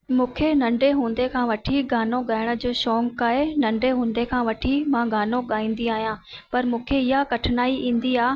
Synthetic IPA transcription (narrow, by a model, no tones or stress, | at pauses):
mũːkʰenɐ̃ɳɖeɦũːnd̪ekʰãːʋɐʈʰiɡaːnõɠaːɪɽ̃ə̆d͡ʑoːʃɔːŋkaːɦenɐ̃ɳɖeɦũːnd̪ekʰãːʋɐʈʰimãɡaːnõɠaːĩːn̆d̪iaːɦijãːpɐɾmũːkʰeɪɦakɐʈʰɪnaːiʔĩːn̆d̪iaː